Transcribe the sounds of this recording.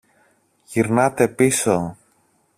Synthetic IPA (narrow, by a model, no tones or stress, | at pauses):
ʝiɾnɐt̪e̞piso